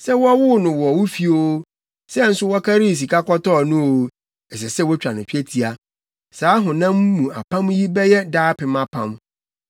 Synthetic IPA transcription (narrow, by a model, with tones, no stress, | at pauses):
sɛ˦wɔ˦wʊ˦nʊ̃˨wɔ˨ɔ˨wʊ˦fi˦o˦ | sɛ˦n̩˦sʊ˦wɔ˦kʰa˦ɾi˦˨s̬i˨ka˦kɔ˦tɔ˦˨nʊ̃˦o˨˦ | ɛ˨s̬ɛ˨sɛ˦wɔ˦t͡ɕᶣa˨nʊ̃˨pʰᶣi˦e˦tʰi˨a˨ | saː˨˦ɦʊ̃˨nã˦mmːũ˨a̰˨pʰã˦mji˦bɛ˦jɛ˦daː˦pʰɪ˨ma˨pʰã̰˦˨m